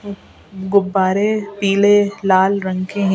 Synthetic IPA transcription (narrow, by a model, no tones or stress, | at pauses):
ɡʊbːaːɾepiːlelaːlɾɐ̃ŋkʰẽɦɛ̃